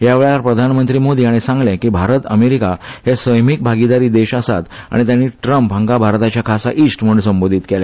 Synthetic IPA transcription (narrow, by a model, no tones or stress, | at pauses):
ɦjaʋeɭjaɾpɾəd̪ʱanmənt̪ɾiːmod̪iːaɽ̃isãŋɡlɛ̃kiːbʱaɾət̪əmeɾikahesəjmik̚bʱaɡid̪aɾiːd̪eɕəsat̪a̰ɽ̃it̪janːiːʈɾəmpɦãŋɡabʱaɾt̪at͡ɕjakʰasaʔisʈm̤əɳsəmbod̪ʱiːt̪kelɛ̃